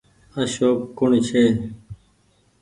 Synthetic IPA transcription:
əɕoːpkʊɳt͡ʃʰeː

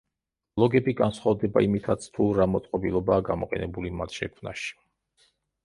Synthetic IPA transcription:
blˠɔɡɛbiɡansχwavd̪ɛba̰imit̪ʰat̪sʰt̪ʰuɾamɔt̪sʼqʼɔbilˠɔbaːɡamɔqʼɛ̰nɛbulimat̪ʰʃɛkʰmna̰ʃi̥

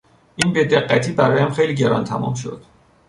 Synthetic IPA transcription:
ʔiːnbed̪e̞ɢːæt̪ʰiːbæɾɒːjæmxejliːɟe̞ɾɒ̰nt̪ʰæmɒ̰mʃo̞̰d̪̥

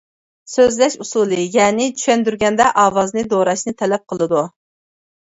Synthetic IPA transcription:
søzlɛʃusulˠɨjɛːnɪt͡ʃʰy̥ʃɛnd̪yɾɡʲɛnd̪ɛʔɑːwɑznɨd̪oɾɑʃnɨt̪ʰɛlɛp̚qʰəlˠɨd̪u

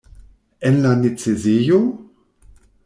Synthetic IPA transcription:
ɛnlanɪt͡sezeːjo

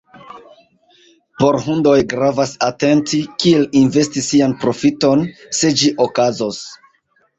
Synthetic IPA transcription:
po̞ɾɦundo̞jɡɾavasate̞ntikielinve̞stisːianpɾo̞fito̞nse̞d͡ʒiʔokazos

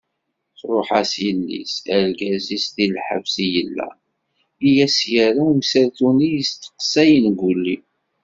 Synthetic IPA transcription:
θɾˤoħasjəlːḭsæɾɡæzisðilħə̰vsijəlːæ̰ | ijæsjæɾamsəɾt̪unijəst̪ːə̥qsæjənɡʷulːi

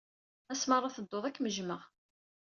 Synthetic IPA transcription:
æsməɾˤːɑθəd̪ːoðˤækːməʒməʁ

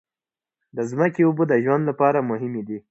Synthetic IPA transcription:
d̪əzməkeubud̪əʒwand̪lapɑɾamʊɦɪmed̪i

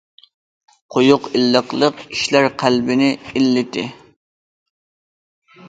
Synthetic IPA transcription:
qʰojʊqɪlːəqlˠəqi̥ʃlæɾqʰælbɪnɪilːɪt̪ʰɪ̰

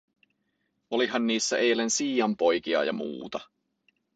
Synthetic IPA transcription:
oliɦɑnːiːsːæʔejlensiːjɑmpo̞jk̟iɑ̰jɑ̰mṵːt̪ɑ

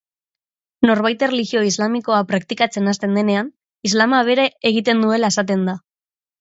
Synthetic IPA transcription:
no̞ɾβajt̪ereliɣio̞izlamiko̞apɾakt̪ikat͡se̞nast̪e̞nd̪e̞ne̞an | izlamaβ̞e̞ɾeeɣ̞it̪e̞nd̪ue̞lae̞sat̪̬e̞nd̪a

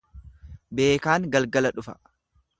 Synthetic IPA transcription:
be̞ːkaːŋɡɐlɡɐlɐᶑʊfɐ̥

